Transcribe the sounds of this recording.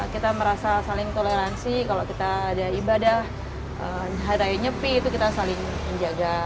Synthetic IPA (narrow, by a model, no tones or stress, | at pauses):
kit̪aməɾasasalɪŋt̪oleɾansikalokit̪aːdaibadah | əmɦaɾajaɲəpiːt̪ukit̪asalɪŋməɲd͡ʒaɡa